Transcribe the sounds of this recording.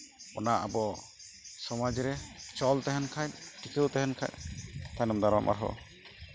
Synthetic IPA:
ɔnaʔabɔ | sɔmad͡ʒɾɛt͡ʃɔlt̪ɛɦɛnkʰajʈʰikəwt̪ɛɦɛnkʰa̰jt̪ʰanɔmd̪aɾɔmʔa̰ɾɦɔ̰

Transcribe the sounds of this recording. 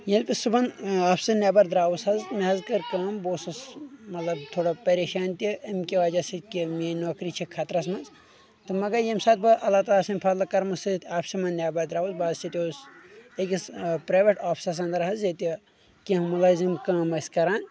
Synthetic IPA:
jelʲpʲisubɐnaːpʰsɐnʲaːbɐɾd̪ɾaːwushɐzmiɦɐzkɐɾkɐːmboːsɐsmɐt̪lɐb̚t̪ʰoːɽapɐɾeːʃaːnt̪iʔɐmkʲiʋaːd͡ʒasikimenoːkɾit͡ʃʰikʰat̪ɾɐsmɐnz | t̪ɨmɐɡɐjemsaːt̪̚bɐʔɐlaːt̪aːɐsɐmʲpʰɐlɐkɐɾmɐsɨt̪aːpʰsimɐnːʲaːbɐɾd̪ɾaːʋwusbaːzt͡ʃʰit̪ʲoːsekispɾaːjʋeʈaːpʰsɐs̬ɐ̃nd̪ɐɾɦɐzjet̪i | kʲiɦmɐlaːzimkɐ̃ːmɐskɐɾaːn

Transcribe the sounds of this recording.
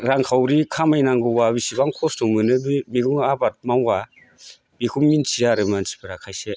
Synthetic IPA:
ɾaŋkʰawɾikʰamajnaŋɡɯwaβisibaŋkʰɔstuŋmɯnɯbimiɡɯŋabat̚maŋɡa | bikʰumminsʰiaɾɯmansi̥pʰɯɾakʰajse

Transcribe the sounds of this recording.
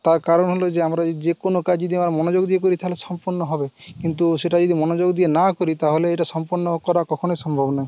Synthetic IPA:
t̪aɾkaɾɔnɦolod͡ʒeamɾad͡ʒekonokad͡ʒd͡ʒɔd̪iamɾamɔnod͡ʒoɡd̪iek̬oɾit̪ʰaɦolesɔmpɔɾnɔɦɔbekint̪̬useʈad͡ʒɔd̪imɔnod͡ʒoɡd̪ienakoɾit̪aɦoleejʈasɔmpɔɾnːɔkɔɾakɔkʰonojsɔmbʱɔbnai

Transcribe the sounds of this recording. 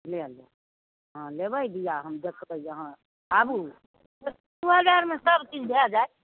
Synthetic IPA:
leəlja | ɦãlebəid̪ijaɦəmd̪ekʰbəjjəɦã | abu | d̪uɦəd͡ʒaɾmesəbt͡ʃid͡ʒʰbʱead͡ʒaj

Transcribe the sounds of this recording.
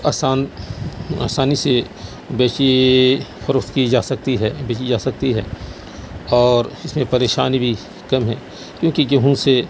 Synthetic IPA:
aːsaːn | a̰ːsaːnise | beːt͡ʃi | xəɾətkid͡ʒaːsɐk̚t̪iɦɛbeːt͡ʃid͡ʒaːsɐk̚t̪iɦɛ̰ː | ɔːɾɪsmẽpɐɾeːʃaːnibʱi | kɐmɦɛː | kjõːkid͡ʒɐɦũse

